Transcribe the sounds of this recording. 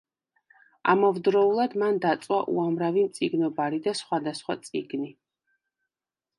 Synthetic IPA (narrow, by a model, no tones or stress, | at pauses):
a̰mɔvd̪ɾɔulˠad̪mand̪at̪sʼwaʔṵamɾavimt̪sʼiɡnɔbaɾid̪asχwad̪asχwa̰t̪sʼiɡni